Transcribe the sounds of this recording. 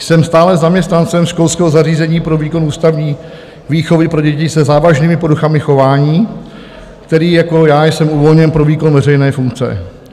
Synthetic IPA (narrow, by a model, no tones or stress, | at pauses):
sɛmst̪aːlɛzamɲɛst̪nant͡sɛmʃko̞lskɛːɦozariːzɛɲiːpɾo̞viːko̞nuːst̪avɲiː | viːxo̞vɪpɾo̞ɟɛcɪsɛzaːvaʒniːmɪpoduxamɪxo̞vaːɲiː | kt̪ɛɾiːjako̞jaːjsɛmuvo̞lɲɛnpɾoviːko̞nvɛrɛjnɛːfuŋkt͡sɛ̰